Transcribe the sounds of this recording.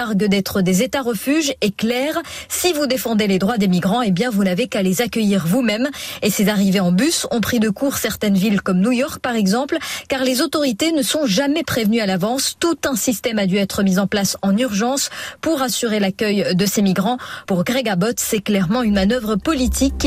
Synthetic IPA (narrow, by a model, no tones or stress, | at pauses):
aʁɡəd̪ɛt̪χəd̪ezet̪aʁəfyʒɛklɛːʁsivud̪efɑ̃d̪eled̪ʁwad̪emiɡʁɑ̃ebjɛ̃vunavekalezakʲəjiʁvumɛmesezaʁiveɑ̃bysɔ̃pχid̪əkuʁsɛʁt̪ɛnvilkɔmnujɔʁk̚paʁɛɡzɑ̃plkaʁlezot̪ɔʁit̪enəsɔ̃ʒamɛpχevnyalavɑ̃st̪ut̪ɛ̃sist̪ɛmad̪yɛt̪χəmizɑ̃plasɑ̃nyʁʒɑ̃spuʁasyʁelakʲœjd̪əsemiɡʁɑ̃puʁɡʁeɡabɔt̪sɛklɛʁmɑ̃ynmanœvʁəpɔlit̪ʰikː